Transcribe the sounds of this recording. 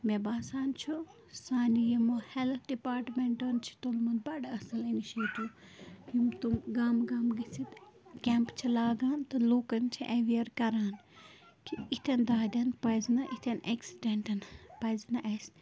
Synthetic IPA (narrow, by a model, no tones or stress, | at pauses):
mebaːsaːnt͡ʃʰu | saːnijɐmɐhɛlt̪ʰɖipaːɾʈmeɳʈont͡ʃʰi̥t̪olmɐnbɐɖɐsɐliniʃeːʈi | jumt̪umɡaːmɡaːmɡɐsit̪kʲɛmpt͡ʃʰilaːɡaːnt̪ɐloːkɐnt͡ʃʰiʔeʋijɐɾkɐɾaːn | kʰiit̪ʲʰɐnd̪aːd̪ʲɐnpɐjznɐʔit̪ʰɐneksiɖeɳʈɐnpɐznɐʔɐs